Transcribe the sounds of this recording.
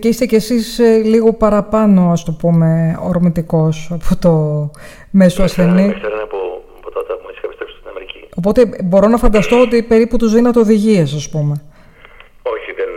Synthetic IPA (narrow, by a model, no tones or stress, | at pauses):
ceist̪ece̞sisliɣo̞pɐɾɐpɐno̞ɐst̪o̞pume̞oɾmit̪iko̞sɐpʰo̞t̪o̞ | me̞soɐsθe̞niseɾɐneɐpo | pot̪ɐɐt̪ɐtisi̥xɐpist̪ɾesi̥t̪inɐmeɾicio̞po̞t̪e̞bo̞ɾonɐfɐnd̪ɐst̪o̞ot̪ipe̞ɾiput̪uzðinɐt̪eoðiʝiesɐspume̞ | o̞çiðen